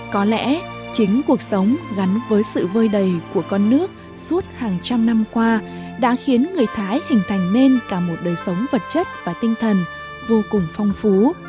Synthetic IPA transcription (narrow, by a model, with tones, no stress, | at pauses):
kɔ˨˦lɛ̰˧˥t͡ɕï˨˦ŋ̟ku˨˩ək̚sə˨˦wŋ͡mɣa˨˦nvəː˨˦jsɨ̰˧˨vəː˧jɗə˨˩jku˧˩əkɔ˧nːɨ˦˥ək̚ | su˦˥ət̚haː˨˩ŋt͡ɕa˧mna˧mkwaː˧ | ɗa̰ː˧˥xi˨˦ənŋɨ˨˩əjt̪ʰaː˨˦jhï˨˩ŋ̟t̪ʰa˨˩jŋ̟ne˧nkaː˧˩mo˨˩t̚ɗəː˨˩jsə˨˦wŋ͡mvə˨˩t̚t͡ɕə˦˥t̚vaː˨˩t̪ï˧ŋ̟t̪ʰə˨˩n | vo˧kʊ˨˩ŋ͡mfa˧wŋ͡mfu˨˦